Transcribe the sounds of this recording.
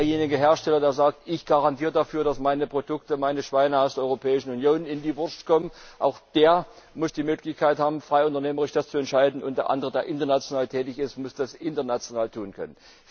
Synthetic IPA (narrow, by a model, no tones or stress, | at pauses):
eɐjeːnɪɡəɦeːɐʃtɛlɐdeːɐzaːk̚tʔɪçɡ̥aʁantiːɐədafyːɐɾasmaɪnəpʁ̥odʊk̚təmaɪnəʃv̥aɪnəaʊsdeɐʔɔʏʁopʰɛːɪʃn̩ʊnjoːnɪndiːvʊɐskʰɔmənʔaʊxd̥eːɐmʊsd̥iːmøːklɪçkʰaɪthaːbm̩fʁ̥aɪʊntɐneːməʁɪʃd̥ast͡suɛntʃaɪdn̩ʔʊntd̥eːɐʔa̰ndəʁədeːɐʔɪntɐnat͡sjonaːltʰɛːtɪçɪstmʊsd̥asʔɪntɐnat͡sjonaːltʰuːnkʰœ̰nən